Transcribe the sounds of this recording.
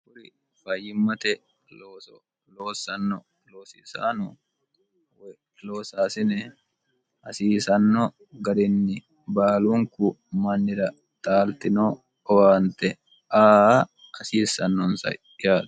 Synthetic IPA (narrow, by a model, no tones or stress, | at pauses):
kʊɾɪ | fɐjɪmːɐt̪ɛ | loːs | loːsɐnːɔ | loːsisa̰ːnɔ | w | loːsaːsɪnɛ | ɐsiːsɐnːɔ | ɡɐɾɪnːɪ | baːluŋkʊ | mɐnːɪɾɐ | t̪ʼaːlt̪ɪnoː | ɔwaːnt̪ɛ | aː | ɐsiːsɐnːɔnsɐ̰ | ɪjaːᶑɐ̥